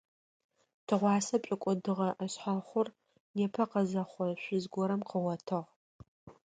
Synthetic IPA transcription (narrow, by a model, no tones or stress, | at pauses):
tʰɨʁʷɑːsɐpʼɪkʷʼʊdɨʁɐʔɐɕħaχʷʊr | neːpʰɐqɐzɐχʷɔɕʷʊzɡʷɔɾɐmqəwɐtʰɨʁ